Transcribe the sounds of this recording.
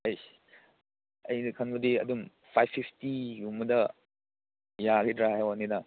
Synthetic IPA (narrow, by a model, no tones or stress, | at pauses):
ɐj | ɐjnkʰɐnbɐdiɐ̰dum | pʰajpʰːipʰtijumɐdɐ | jaɡidɾaɦajwaninɐ